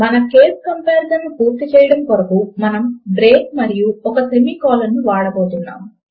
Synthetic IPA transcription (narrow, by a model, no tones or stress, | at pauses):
mɐnɐkeːskɐmpeːɾt̪ɐnnːipuːɾt̪it͡ʃɛːjɐɽɐmkɔɾɐkumɐnɐmɖɾeːk̚mɐɾijuɔkɐsemiːkɔːlɐnːiʋaːɽɐboːt̪unːa̰ːm